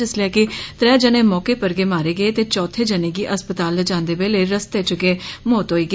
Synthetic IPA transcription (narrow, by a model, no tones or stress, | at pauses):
ɪslɛːkɪt̪ɾɛːd͡ʒəneːmɔːkeːpəɾɡeːmaːɾeːɡəeːt̪eːt͡ʃɔːt̪ʰeːd͡ʒəneːɡiːʔəspət̪aːlːəd͡ʒãːnd̪eːbeːleːɾəst̪eːt͡ʃʊkeːmɔːt̪ɦoːiːɡeː